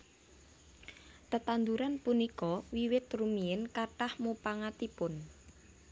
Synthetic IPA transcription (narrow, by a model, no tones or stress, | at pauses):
t̪ət̪and̪uɾanpunikɔwiwɪt̪rumiɪnkaʈahmupaŋat̪ipʊn